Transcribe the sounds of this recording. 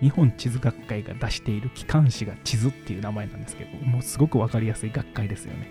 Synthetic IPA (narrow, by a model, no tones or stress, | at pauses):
ɲ̟ihõ̞ɲ̟t͡ɕizɨɡakːaiɡa̰d̪aɕi̥t̪e̞iɾɯ̟kʲi̥kãɰ̃ɕiɡat͡ɕizɨt̪ːe̞iɯ̟ːnamae̞nãnd̪e̞sɨ̥ked̪o̞mo̞ːsɨɡo̞kɯ̟βakaɾʲijasɨiɡakːaid̪e̞sɨjo̞̰ne̞